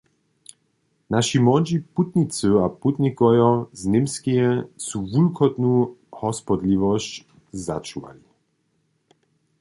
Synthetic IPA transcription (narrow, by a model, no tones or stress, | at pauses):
naʃimwɔd͡ʑiput̪nʲit͡s̪ɨaput̪nʲikɔjɔznɪmskiɛsuvulkʰɔt̪nuhɔspɔd̪livɔɕt͡ɕ | za̰t͡ʃuva̰li